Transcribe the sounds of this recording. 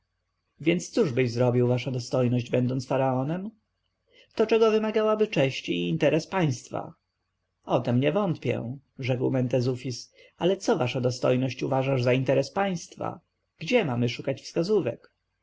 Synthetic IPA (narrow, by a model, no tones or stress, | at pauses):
vʲjɛnt̪st̪suʐbɘʑzɾɔbʲiwvaʂad̪ɔst̪ɔjnɔʑd͡ʑbɛnd̪ɔnt̪sfaɾaɔnɛm | t̪ɔt͡ʂɛɡɔvɘmaɡawabɘt͡ʂɛɕt͡ɕiːnt̪ɛɾɛspaj̃st̪fa̰ | ɔt̪ɛmɲɛvɔnt̪pʲjɛ̰̃ | ʐɛkwmɛnt̪ɛzufʲis | alɛt̪sɔvaʂad̪ɔst̪ɔ̰jnɔɕt͡ɕuvaʐaʐzaint̪ɛɾɛspaj̃st̪fa̰ | ɡ̥d͡ʑɛmamɘʂukat͡ɕfskazuvɛ̰k